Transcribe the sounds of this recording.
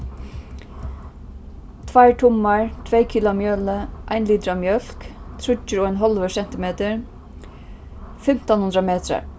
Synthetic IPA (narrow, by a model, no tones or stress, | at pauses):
t̪ʰvajʈ̪ʰʊmːaɹt̪ʰvɛːjkʰiːlʊamjœːləʔajnliːt̪ɾamjœl̥kt̪ʰɾʊt͡ʃːɪɾɔːajnɦɔlʋəsɛn̥t̪ɪmeːt̪əɹ | fɪm̥t̪ɔnhʊnd̪ɾameːt̪ɾa̰ɹ